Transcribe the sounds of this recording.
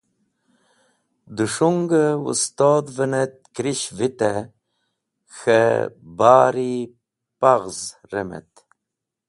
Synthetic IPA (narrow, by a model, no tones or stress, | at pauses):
d̪uʂuŋɡəṵst̪oːd̪vənet̪̚kɾiɕvit̪e | xəbaːɾi | paɣz | ɾemḛt̪